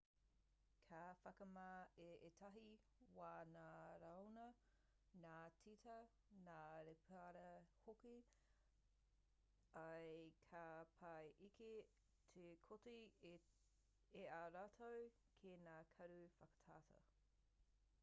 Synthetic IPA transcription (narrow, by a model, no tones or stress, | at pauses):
kʰaːfɐkɐmaeʔetʰɐɦi | waːnaːɾɐwnɐ | naːt͡sʰitɐ | naːɾepʰɐɾɐhoki | ɐjkʰapʰɐjʔikʰe | tʰekʰoti | eaɾaːtʰow | kʰeːnaːkʰɐɾufɐkə̥tʰaːtʰɐ̰